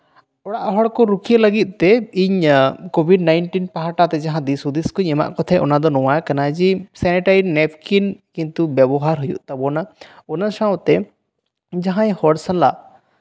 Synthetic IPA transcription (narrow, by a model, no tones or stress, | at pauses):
ɔɽaʔɦɔɽkɔɾukʰijələɡit̪̚ˀt̪ɛiɲkɔbʱiɖnajɳʈinpaɦaʈat̪ɛd͡ʒaɦãd̪isud̪iskuɲɛma̰ʔkɔt̪ʰɛʔɔnad̪ɔnɔwajkanad͡ʒisɛnɛʈaɾinɛp̚kinkint̪ubjɛbɔɦaɾɦujṵʔt̪abɔnaɔnaʃawt̪ɛ | d͡ʒaɦãjhɔɽsanla̰